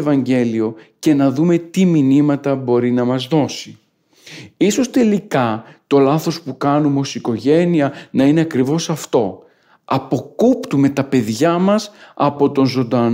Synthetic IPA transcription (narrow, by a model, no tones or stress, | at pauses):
evɐɲɟe̞lio̞ce̞nɐðume̞t̪iminimɐt̪ɐbo̞ɾinɐmɐzðo̞si | iso̞st̪e̞likɐt̪o̞lɐθo̞spukɐnumeo̞siko̞ʝe̞niɐnɐine̞ɐkɾivo̞sɐft̪o̞ | ɐpo̞kupt̪ume̞t̪ɐpe̞ðʝɐmɐsɐ̰po̞t̪o̞nzo̞nd̪ɐn